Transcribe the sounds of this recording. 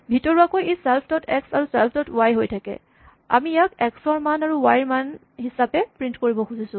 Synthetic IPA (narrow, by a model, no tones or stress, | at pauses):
bʱitɔɹuakojesɛlpʰtɔtʰɛksaɹusɛlpʰtɔtuwajɦojtʰakɛ̰ | a̰mijakɛksɔɹmanaɹuwajɹman | ɦisapɛpɹintkoɹibɔxuzisʊ̃